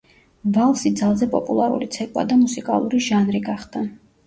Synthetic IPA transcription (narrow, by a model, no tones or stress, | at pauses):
valˠsid̪zalˠzɛpʼɔpʼulˠaɾṵlit̪sʰɛkʼwa̰d̪amusikʼalˠuɾiʒanɾiɡaχd̪a